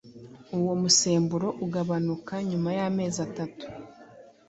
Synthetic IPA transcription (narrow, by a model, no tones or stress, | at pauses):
uwo̞muse̞ːmbuɾo̞ʔuɡaβanukaɲumajame̞ːzatatu̥